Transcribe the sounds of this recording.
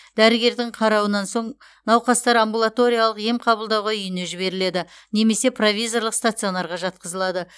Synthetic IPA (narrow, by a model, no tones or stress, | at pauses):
d̪̥æɾɪɡʲe̞ɾd̪ɪɴqʰɑɾɑwənɑnso̞ɴ | nɑwqɑst̪ɑɾambulˠat̪o̞ɾʲijalˠəqje̞mqʰɑbəlˠd̪ɑwʁɑʏjɪne̞ʒɪβe̞ɾɪle̞d̪ɪ | ne̞me̞se̞pʰro̞vʲijzo̞rlˠəqst̪at̪sio̞nɑɾʁɑʒɑt̪̚qəzəlˠɑd̪ə